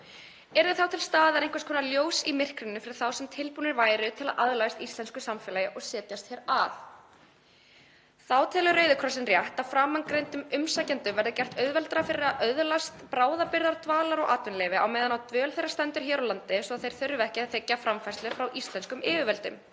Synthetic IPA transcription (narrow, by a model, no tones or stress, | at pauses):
ɛɾðɪθawt̪ʰɪlst̪aːðaɾeŋkvaskʰɔːnaljoːwsimɪr̥kɾɪnːʏfɪɾɪɾ̥θawsɛmt̪ʰɪlpuːnɪɾvaːjɾʏt̪ʰɪla̰ðʔaðlajst̪ist̪lɛnskʏsamfɛːlajɪʔɔɣsɛːt̪jast̪çɛːɾaθ | θawt̪ʰɛːlʏɾœːɥðʏkʰɾɔsɪnrjɛht̪afɾaːmaŋkɾejnt̪ʏmʏmsaːjcant̪ʏmvɛɾðɪcɛr̥t̪œɥðvɛlt̪ɾafɪɾɪaʔœðlast̪pɾaːwðapɪɾðaɾt̪vaːlaɾɔɣʔaːt̪ʏnlɛːvɪa̰wmɛːðanawt̪vʏːœlθejɾrːast̪ɛnt̪ʏɾ̥çɛːɾawlant̪ɪsvɔaðθejɾ̥θœɥɾʏvɛhcɪaθɛcːafɾamfajst̪lɛfɾawʔist̪lɛnskʏmɪːvɪvɛlt̪ʏ̰m